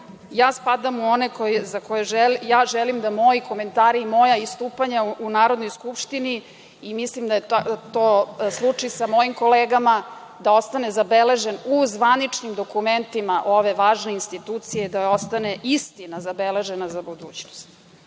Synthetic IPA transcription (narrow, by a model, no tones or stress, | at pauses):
jaːspad̪amuo̞nekojezakojeʒɛljaːʒɛlimd̪amo̞jikʰo̞ment̪aːɾiimo̞jaist̪uːpaɲaunaːɾod̪no̞jskupʃt̪ini | imislimd̪ajet̪oːslˠut͡ʂisamo̞jimko̞leːɡama | d̪ao̞st̪anezabele̞ʒenuzʋanit͡ʂnimd̪o̞kument̪imaʔo̞ʋe̞ʋaːʒne̞inst̪it̪ut̪sijed̪ao̞st̪ane̞ʔist̪inazabele̞ʒenazabud̪ṵːt͡ɕnost̪